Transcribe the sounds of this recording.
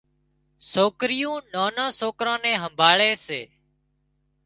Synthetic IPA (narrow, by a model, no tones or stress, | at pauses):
soːkɾɪjũːnaːnãːsoːkɾãːnɛ̃ːɦəmbʱaːɭeːseː